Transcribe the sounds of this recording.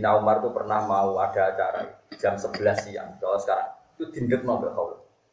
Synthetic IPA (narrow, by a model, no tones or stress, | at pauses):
inaumart̪upərnahmauad̥a̤ːt͡ʃa̰ɾa̰ḭ̥d͡ʒ̥amsəb̥əlasija̰ŋkalasə̥kaɾaŋit̪ud̪̥i̤ndək̪̚nɔbaʔhaul